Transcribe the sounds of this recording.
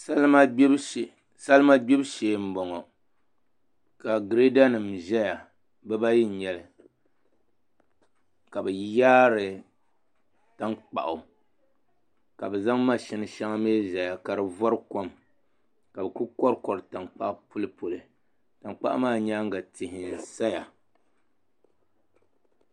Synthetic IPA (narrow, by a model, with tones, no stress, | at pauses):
sa˦lma˦bbʃ | sa˦lma˦bi˦bʃeː˨m̩˦bɔ˨ŋɔ˨ | ka˨ɡɾe˦da˦nɨ˨mʒɛ˦ja˨ | bɛ˦ba˦ji˦˨ɲɛ˨lɨ˨ | ka˨bɛ˨jaː˦ɾɨ˨ | ta˦ŋk͡pa̰˨ʔʊ˨ | ka˨bɛ˨za˦ŋma˦˨ʃɪ˦nɨ˦ʃa˦ŋa˦meː˦ʒɛ˨ja˨ka˨ɾɨ˨vɔ˦ɾɨ˦ko˦m | ka˨bɛ˨ku˦kɔ˦ɾkɔ˨ɾɨ˨ta˨ŋk͡pa˦˨˦pu˦lɨ˦po˨lɨ˨ | ta˨ŋk͡pa̰˦ʔmaː˦˨ɲaː˦ŋ˦ɡa˨tɪ˨hɪ˨n˨sa˦ja˨